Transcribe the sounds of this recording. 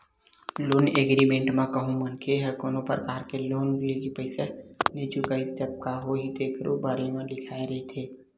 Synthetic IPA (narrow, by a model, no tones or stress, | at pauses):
loːneːɡɾimẽːɳʈmãkəɦũmənkʰeɦəkɔːnõpɾəkaːɾkeloːnleɡipəɪsenet͡ʃukait̪əb̚kaɦoːɦid̪eːkʰɾo̰baːɾemãlɪkʰaːeɾɐet̪ʰeː